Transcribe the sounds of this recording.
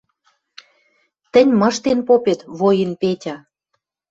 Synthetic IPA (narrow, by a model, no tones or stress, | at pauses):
t̪ə̆nʲmɤ̆ʃt̪enpopet̪βojə̆npetʲɑ